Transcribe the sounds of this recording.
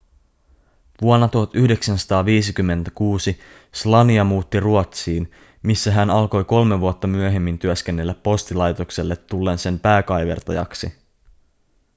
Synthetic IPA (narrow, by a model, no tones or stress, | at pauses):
ʋuonːɑt̪uhɑt̪yhde̞ksænsɑ̥t̪ɑːʋiːsikymːe̞nt̪ækuːsi | slɑniɑmuːt̪ːiruot̪siːn | misːæɦænɑlko̞jko̞lmeʋuot̪ːɑmyøɦe̞mːint̪yøsk̟e̞nːe̞lːæpːo̞st̪ilɑjt̪o̞kselːe̞t̪ːulːe̞ːnse̞mpæːkɑjʋe̞̰rt̪ɑjɑ̰ksḭ